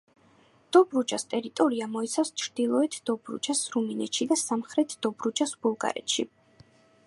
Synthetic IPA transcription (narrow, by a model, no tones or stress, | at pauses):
d̪̥ɔbɾud͡ʒast̪ʼɛɾit̪ʼɔɾiamɔit̪sʰast͡ʃʰɾd̪̥ilˠɔɛt̪ʰd̪̥ɔbɾṵd͡ʒasɾuminɛt̪ʃid̪asamχɾɛt̪ʰd̪̥ɔbɾud͡ʒasbulˠɡa̰ɾɛ̰t̪ʃḭ